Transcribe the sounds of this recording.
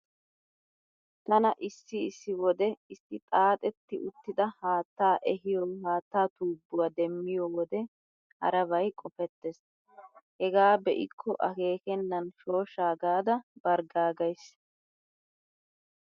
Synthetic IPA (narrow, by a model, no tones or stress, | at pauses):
t̪ɐnɐʔɪsːɪɪsːɪwɔd̪ɛɪsːɪt̪ʼaːt̪ʼɛt̪ːɪʔʊt̪ːɪd̪ɐhaːt̪ːaːʔɛɦɪjɔɦaːt̪ːaːt̪uːbːʊwaːd̪ɛmːɪjɔwɔd̪ɛ | hɐ̰ɾɐβɐjkʼɔfɛt̪ːɛs | hɛɡaːbɛʔɪ̰kʰːɔʔɐke̞ːkɛnːɐnʃo̞ːʃaːɡaːd̪ɐbɐɾɡaːɡɐjs